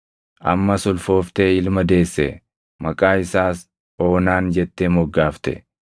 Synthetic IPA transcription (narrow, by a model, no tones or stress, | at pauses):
ʔɐ̰mːɐsʊlfo̞ːft̪eːɪlmɐd̪e̞ːsːɛ̰ | mɐkʼaːɪsaːs | o̞ːnaːnd͡ʒɛt̪ːemɔɡːaːft̪ɛ̰